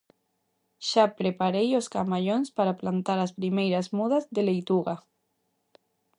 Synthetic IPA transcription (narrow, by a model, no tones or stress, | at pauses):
ʃapɾepaɾejoskamaʎonspaɾaplant̪aɾaspɾimejɾazmuðazðelejt̪uɣa